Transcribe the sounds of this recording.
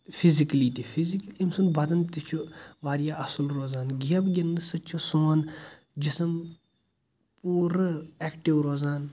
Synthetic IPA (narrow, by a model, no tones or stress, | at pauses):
fʰiziklit̪ifʰizikliimsunbɐd̪ɐnt̪it͡ʃʰuʋaːɾjaːɐsulɾoːzaːnɡijɐbɡʲinːɨsɐt͡ʃʰusoːn | d͡ʒisɐm | puːɾɨeːkʈiʋɾoːzaːn